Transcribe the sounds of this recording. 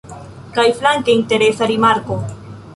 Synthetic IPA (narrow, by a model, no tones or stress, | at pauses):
kajflaŋkeinte̞ɾesaɾimaɾko̞